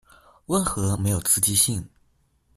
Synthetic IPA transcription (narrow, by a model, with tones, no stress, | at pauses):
wə˥˩nxɤ˧˥me˧˥ɪjo˨˩ʊt͡sʰɹ̩˥˧t͡ɕi˥ɕi˥˩ŋ